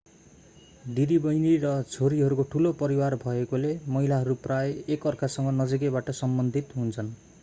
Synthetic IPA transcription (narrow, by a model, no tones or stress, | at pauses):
ɖiɾibʌjniɾʌt͡sʰoɾiɦʌɾukoʈʰulopʌɾiwarbʱʌekolemʌɦilaɦʌɾuprajekʌrkasʌŋɡʌnʌd͡zik̬ebaʈʌsʌmbʌnd̪ʱit̪ɦũnt͡sʰʌn